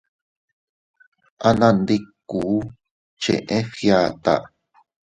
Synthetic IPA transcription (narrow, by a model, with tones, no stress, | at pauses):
a˧nã˧nd̪i˦ku˨˦ | t͡ʃḛ̃˨ʔẽ˦fja˦˧˨t̪a̰˨ʔ